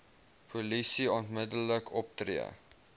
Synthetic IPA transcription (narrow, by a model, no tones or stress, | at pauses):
pʰulisiɑntmədələkɔp̚trḭə̰